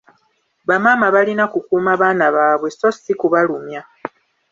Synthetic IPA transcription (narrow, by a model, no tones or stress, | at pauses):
βamaːmaβalinakukuːmaβaːnaβaːβwe̞so̞sikuβalumja